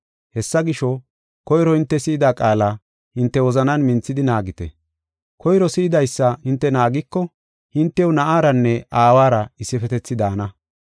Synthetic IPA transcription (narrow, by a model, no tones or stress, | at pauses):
hɛsːɐɡɪʃɔ | kɔjɾɔhɪnt̪ːɛsɪːd̪aːkʼaːlɐ | hɪnt̪ːɛwɔzɐnɐnmɪnt͡sːɪd̪ɪnaːɡɪt̪ɛ̰ | kɔjɾɔsɪːd̪ɐjsːɐhɪnt̪ːɛnaːɡɪkːɔ | hɪnt̪ːɛwnɐʔaːɾɐnːɛaːwaːɾɐɪsːɪfɛt̪ɛt͡sːɪd̪aːnɐ